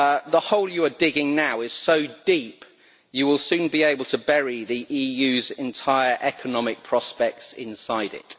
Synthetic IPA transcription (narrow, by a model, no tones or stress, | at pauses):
ðəhɒʊlˠjəədɪɡɪ̃ŋnaʊɪz̥səʊdiˑp | jəwɪlˠsʉ̃ːnbieɪbəlˠtʰəbɛɹiðiʔiːjʉːzɛ̃ntʰaɪəɹʔɛkʰənɒmɪk̚pʰɹ̥ɒspɛk̚tsɪ̰̃nsaɪdɪ̰t